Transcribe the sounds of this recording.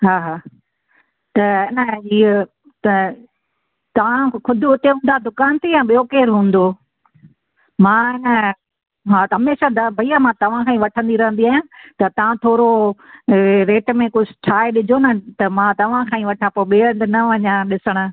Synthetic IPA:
ɦaːɦaː | t̪ɐɪnəɦiː | t̪ɐ | t̪ɐʋãkʰʊd̪ʱʊʊt̪eɦũːn̆d̪ad̪ʊkaːnt̪ijãɓijokeːɾɦũːn̆d̪o | mãːɪnə | ɦaːɦɐmeːʃad̪ɐbʱɐiamãt̪ɐʋ̤ãkʰãːĩʋɐʈʰə̃nd̪iɾɐɦə̃nd̪iaːjãt̪ɐt̪ɐʋãt̪ʰoːɾo | ɾeːʈmẽkʊd͡ʑʰʱt͡ɕʰaːeɗɪd͡ʑʱonɐt̪ɐmãːt̪ɐʋ̤ãkʰãːĩʋɐʈʰãpoːɓeːə̃d̪nɐʋɐɲãɗɪsəɽ̃ʊ̆

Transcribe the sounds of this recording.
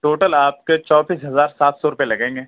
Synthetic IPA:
ʈoːʈəlaːp̚ket͡ʃɔːbiːsɦɐzaːɾsaːt̪ʰsɔɾʊpjelɐɡẽːŋɡeː

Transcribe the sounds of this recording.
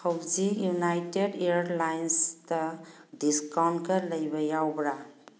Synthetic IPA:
kʰəwd͡ʒijunajteɖeɾlajnst̪adiskawnkələjbajawbɾa

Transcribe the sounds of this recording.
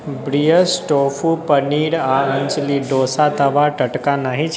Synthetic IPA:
bɾijəsʈofupəniɾaənt͡ʃliɖosat̪əʋaʈəʈkanaɦĩt͡ʃʰ

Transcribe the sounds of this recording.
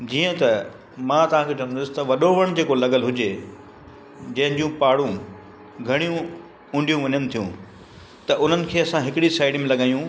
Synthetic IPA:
d͡ʑiːə̃t̪ɐ | mãːt̪ɐʋ̤ãkʰeːt͡ɕɐɽ̃nd̪ʊsɪ̥t̪ɐʋɐɗoʋɐɽ̃d͡ʑeːkolɐɡəlɦʊd͡ʑe | d͡ʑɐ̃ɦɪ̃ɲd͡ʑũpaːɽũ | ɡʱɐɽ̃ijũ | ʊ̃ɳɖʱijũʋɐɲənɪ̆t̪ʰijũ | t̪ɐʔʊn̤ənɪ̆kʰeːɐsãɦɪkɪɽisaːɪɖmẽlɐɠaːjũ

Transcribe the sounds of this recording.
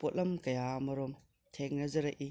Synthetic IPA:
pot̚lɐmkɐjamɐɾɔm | tʰeŋ̚nɐzɐɾɐʔi

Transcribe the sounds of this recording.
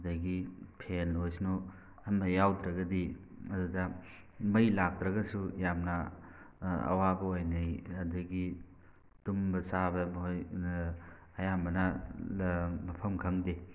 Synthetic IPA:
dɐɡipʰenojsnu | hɐmːɐjawdɾɐɡɐdiɐdudɐ | mɐjlak̚tɾɐɡɐsujamnɐ | ɐ̰wabɐojnɐjhɐdɐɡi | tumbɐsabɐmɦoj | ɐjambɐnɐ | mɐpʰɐmkʰɐŋde

